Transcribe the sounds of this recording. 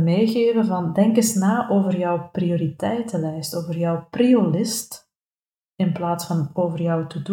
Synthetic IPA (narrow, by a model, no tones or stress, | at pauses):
meːɣeːvəvɑndɛŋkɪsnaːʔoːvərjœwprioːɾitɛjtəlɛjstoːvərjœwpriolɪst | ɪnplaːtsfɑnoːvərjœwtədu